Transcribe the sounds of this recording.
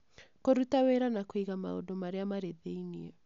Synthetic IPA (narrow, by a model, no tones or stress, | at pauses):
koɾutaweɾanakwiɣama̰o̰domaɾeamaɾeðeiniɛ